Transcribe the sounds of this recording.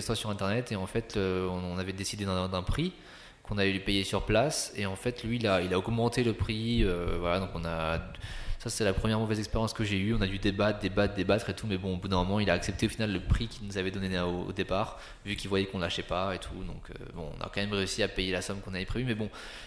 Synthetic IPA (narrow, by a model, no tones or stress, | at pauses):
st̪χasyʁɛ̃t̪ɛʁnɛt̪eɑ̃fɛt̪øɔ̃navɛd̪esid̪ed̪ɛ̃d̪ɛ̃pχi | kɔ̃navɛlypejesyʁplaseɑ̃fɛt̪lɥiːlailaɔɡmɑ̃t̪eləpχiøvwalad̪ɔ̃kɔ̃na | sase̥t̪ɛlapχəmjɛʁmɔvɛzɛkspeʁjɑ̃skəʒeyɔ̃nad̪yd̪ebad̪ebad̪ebat̪χet̪umɛbɔ̃obud̪ɛ̃mɔmɑ̃ilaːksɛp̚t̪eofinalːəpχikʲilnuzavɛd̪ɔnenoo̰d̪epaːʁ | vykʲilvwajɛkɔ̃nlaʃɛpaet̪ʰud̪ɔ̃kʰø̰bɔ̰̃ːna̰kɑ̃mɛmʁeysiapejelasɔmkɔ̃naɛpχevymɛbɔ̃